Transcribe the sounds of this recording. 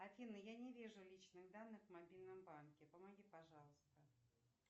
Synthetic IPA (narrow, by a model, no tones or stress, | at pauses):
ɐfʲinːəjanʲɪvʲiʐʊlʲit͡ɕnɨɣd̪anːɨxvmɐbʲilʲnəmbankʲɪpəmɐɡʲipɐʐɑlˠəst̪ə